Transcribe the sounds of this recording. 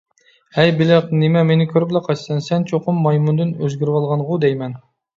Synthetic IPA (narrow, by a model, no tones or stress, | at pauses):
hɛjbɪlɪqnɪmɛmenɪkʲʰøɾblˠɛqʰɑt͡ʃsɨnsɛnt͡ʃʰoqʊmːɑjmund̪ɨnøzɡʲyɾwɑlˠʁɑnʁʊd̪ɛjmɛn